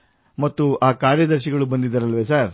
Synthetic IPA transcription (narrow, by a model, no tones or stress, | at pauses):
mɐt̪ːuʔaːkaːɾjɐd̪ɐɾʃiɡɐɭubɐnd̪id̪ːɐɾɐlʋeːsaːɾ